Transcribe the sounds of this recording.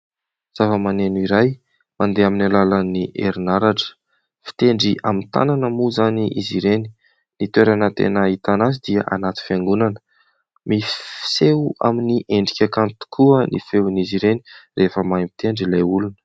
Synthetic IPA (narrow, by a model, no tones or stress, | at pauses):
z̥avəmanenuiɾaj | mand̪eaminalalaniʔḛɾinaɾaʈ͡ʂə̥ | fi̥t̪eɳɖ͡ʐiʔamint̪a̰nanəmuzaniʔiziɾeni | nit̪weɾanət̪ḛnəit̪anazid̪iəʔanat̪i̥fiaŋɡunanə̥ | mifi̥seua̰miniʔeɳɖ͡ʐikʲakant̪u̥kʰuənʔḭfewniziɾenirʔefəmajmit̪eɳɖ͡ʐilajulunə̥